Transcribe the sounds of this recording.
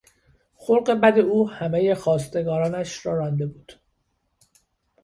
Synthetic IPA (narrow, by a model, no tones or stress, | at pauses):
xoɾɢe̞bæd̪e̞uːhæmeje̞xɒːst̪e̞ɡɒːɾɒːnæʃɾɒːɾɒːnd̪e̞buːd̪̥